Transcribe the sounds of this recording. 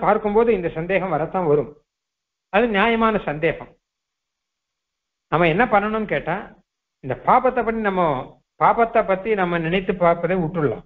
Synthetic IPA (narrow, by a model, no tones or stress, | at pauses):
paːɾkɯmpoːðɯɪnd̪ɐsɐnd̪eːɣɐ̃mʋɐɾɐt̪ːãːʋɐɾɯm | ɐðɯnɪjaːjɐmaːnɐsɐnd̪eːɣɐm | nɐmːɐɛnːɐpɐɳːɐɳʊmnɯkeːʈːãː | ɪnd̪ɐpaːpɐt̪ːɐpːɐʈːinɐmːɐ | paːpɐt̪ːɐpːɐt̪ːinɐmːɐnɪnɐɪt̪ːɯpaːɾpɐðeːʊʈːrɯɭːã̰ː